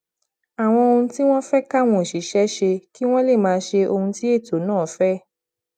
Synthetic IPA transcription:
a˨w̃ɔ̃˧o˧hũ˧ti˦w̃ɔ̃˦fɛ˦ka˦˨w̃ɔ̃˧˨ʃi˨˦ʃɛ˨˦ʃe˧ki˦w̃ɔ̃˦le˦˨mãː˨˧˦ʃe˧o˧hũ˧ti˦e˦˨to˨˦nãː˦˨fɛ˦

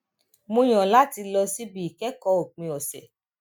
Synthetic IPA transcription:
mõ˧j̃ɔ̃˨la˨˦ti˧lɔ˧si˦bi˦˨i˨kɛ˨˦kɔ˧˦o˨k͡pĩ˧ɔ˨sɛ̰˨

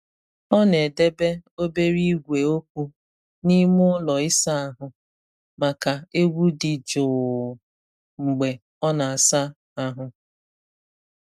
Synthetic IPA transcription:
ɔ˦ne˨de˦be˦o˦be˦ɾi˦ɡʷe˨o˦kʷu˦ | ni˦mʊ˦lɔ˨ɪ˦sa˦a˨ɦʊ˨ | ma˨ka˨e˦ɡʷu˦dɪ˨d͡ʒʊ˨ | ŋ͡m̩˨ɡ͡be˨ | ɔ˦na˨a˨sa˦ | a˨ɦʊ˦

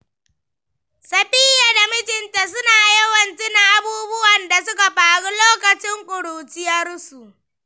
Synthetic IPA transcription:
sɐ˨ɸɪ˦ja˨da˨mɪ˦d͡ʒɪ˨nta˨s̬ʊ˦naː˨jɐ˦wɐ˨nt͡ʃɪ˦na˨ʔa˦buː˦bʊ˦wɐ˨nda˨sʊ˦ka˨ɸaː˨ɽu˦loː˦kɐ˨t͡ʃɪ˦ŋkʷʼʊ˨ɽuː˨t͡ʃɪ˦jɐ˦rsu˨ʔ

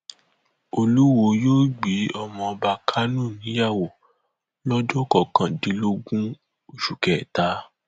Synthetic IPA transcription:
o˧lu˦wo˧joː˦ɡ͡bi˨˦ɔ˧mɔ̃˧ɔ˧ba˧kʰa˦nũ˦˨nĩ˨˦ja˦˨wo˨ | lɔ˦d͡ʒɔ˦˨kɔ˨kã˨di˨˦lo˦ɡũ˦ | o˦˨ʃu˨kɛ˨ta˨˦

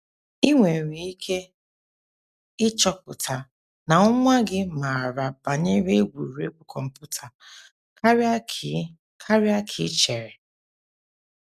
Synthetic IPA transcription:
i˦ŋʷe˨ɾi˨i˦kʰe˦ | ɪ˦t͡ʃɔ˦pʊ˨tʰa˨ | na˨ʊ˦ŋʷa˦ɡɪ˦ma˨ɾa˨ba˨ɲɪ˦ɾe˦ɡʷṵ˨ɾe˦kʊ˦kʰɔ˨m̩˨pʊ˦tʰa˨ | ka˦ɾ | kʰa˦ɾɪ˦a˦kʰɪ˨˦t͡ʃe˨ɾe˨

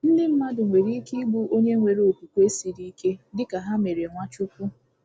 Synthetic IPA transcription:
n̩˦nɪ˦m̩˦ma˦dʊ˨ŋʷe˨ɾi˦ki˦ɡ͡bu˦o˦ɲe˦ŋʷe˨ɾo˨pu˨kʷu˦e˦si˨ɾi˦ke˦dɪ˦ka˨ɦa˦me˨ɾe˨ŋʷa˦t͡ʃʊ˦kʷu˦

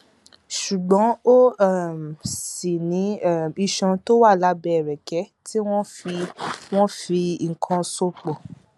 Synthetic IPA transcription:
ʃu˨ɡ͡bɔ̃˨˦o˦˨m˨si˨nĩ˨˦˨i˧ʃɔ̃˧to˦wa˦˨la˨˦bɛ˧˨ɾɛ˨kɛ˨˦ti˦w̃ɔ̃˦fi˧w̃ɔ̃˦fi˧˨kʰɔ̃˧so˦k͡pɔ˨

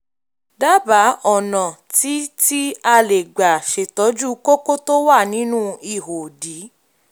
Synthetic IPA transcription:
da˦ba˨˦ɔ˦˨nɔ̃˨ti˨˦ti˦a˧le˨ɡ͡ba˨ʃe˨tɔ˨˦d͡ʒu˦ko˦ko˦to˦wa˦˨nĩ˦nũ˦i˦˨ɦo˨di˨˦

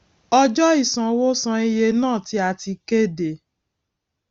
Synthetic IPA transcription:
ɔ˧d͡ʒɔ˦i˦˨sã˨wo˦sã˧i˧je˧nãː˦˨ti˧a˨ti˧ke˦de˨

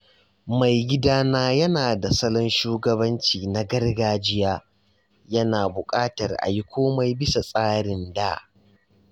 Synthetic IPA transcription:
ma˨jɡʲɪ˦daː˦naː˦jɐ˦naː˨da˨sɐ˦lɔ˦nʃuː˦ɡɐ˦bɐ˦nt͡ʃiː˨na˦ɡɐ˦rɡaː˦d͡ʒɪ˦jaː˦ | jɐ˦naː˨bʊ˨kʼaː˦tɐ˨rʔa̰˨ji˦kʷoː˦ma˦jbɪ˦sa˨sʼaː˦ɽɪ˨ndaː˦˨ʔ

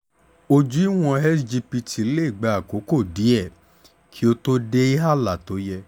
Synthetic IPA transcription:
o˧d͡ʒu˨˦i˦w̃ɔ̃˧ɛ˦sd͡ʒi˧pi˧ti˨˦le˦i˦˨ɡ͡ba˧a˨ko˨˦ko˦˨di˨˦ɛ˦˨ | kʰi˨˦o˧to˦de˦i˦ɦa˦˨la˨to˨˦jɛ˧

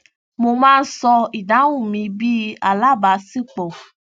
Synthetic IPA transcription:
mõ˧mãː˦n̩˦sɔ˧i˨ɖa˨˦wu˦˨mĩ˧bi˦a˨la˦ba˨si˦k͡pɔ˨

